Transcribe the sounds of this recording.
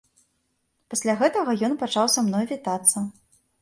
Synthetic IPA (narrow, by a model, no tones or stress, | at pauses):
pasʲlʲaɣɛt̪ɐɣɐjɔnpat͡ʂawsamnɔjvʲit̪at̪sːɐ